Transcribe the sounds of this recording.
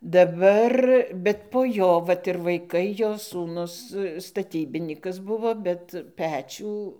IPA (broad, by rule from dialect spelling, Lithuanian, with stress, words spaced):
dɐˈbɐr bʲɛt poː ˈjoː ˈʋɐt ɪr ʋɐɪˈkɐɪ ˈjoː suːˈnʊs stɐˈtʲiːbʲɪnʲiːkɐs ˈbʊʋoː bʲɛt ˈpʲæːt͡ʃʲuː